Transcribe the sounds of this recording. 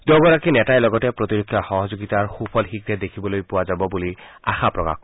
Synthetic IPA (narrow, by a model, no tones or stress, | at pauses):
d̥̪oɡɔɹakinɛtajlɔɡɔtɛpɹotiɹokʰːjaxɔɦɔzoɡitaɹxupʰɔlxik̚ɛd̪ekʰibɔlojpʊwazabɔbulia̰xapɹɔka̰x